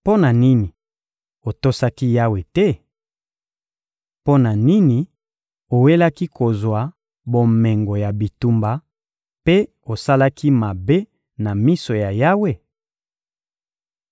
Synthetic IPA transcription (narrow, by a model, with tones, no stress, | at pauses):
po˦na˨ni˦ni˨ | o˨to˦sa˦ki˦ja˦we˨tɛ˦ | po˦na˨ni˦ni˨ | o˨we˦la˦ki˦ko˨zwa˨ | bo˨me˨ŋɡo˨ja˨bi˨tu˦mba˨ | pe˦ | o˨sa˦la˦ki˦ma˨be˦ | na˨mi˦so˨ja˨ja˦we˦